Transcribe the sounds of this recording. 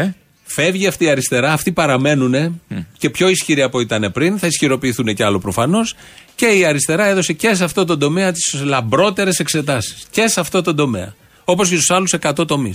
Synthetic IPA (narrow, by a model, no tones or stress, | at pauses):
fe̞vʝiɐft̪iːɐɾist̪e̞ɾɐːft̪ipɐɾɐme̞nune̞ce̞pço̞isçiɾiɐpo̞it̪ɐne̞pɾinθɐisçiɾo̞piːθune̞ceɐlo̞pɾofɐno̞s | ce̞iɐɾist̪e̞ɾɐe̞ðo̞se̞ce̞s̬ɐft̪o̞t̪̬o̞nd̪o̞me̞ɐt̪i̥slɐmbɾo̞t̪e̞ɾe̞se̞kse̞t̪ɐsi̥sce̞sɐft̪ot̪o̞nd̪o̞me̞̰ɐ̰ | o̞po̞s̬cest̪usɐluse̞kɐt̪o̞t̪o̞mis